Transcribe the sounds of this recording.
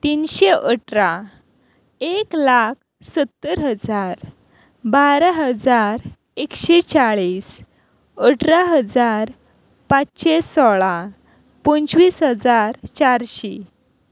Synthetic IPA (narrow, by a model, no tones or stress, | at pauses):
t̪inɕeʔəʈɾa | eklak̚ʰ | sət̪ːəɾɦəd͡zaɾ | baɾaɦəd͡zaɾ | ekɕet͡saɭiːs | əʈʰɾaɦəd͡zaɾ | pat͡sɕesɔɭa | pənt͡sʋiːsɦəd͡zaɾt͡ɕaɾɕe